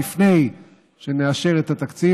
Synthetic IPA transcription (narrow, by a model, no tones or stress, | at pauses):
ifne̞j | ʃe̞neaʃe̞ʁet̪at̪akt͡si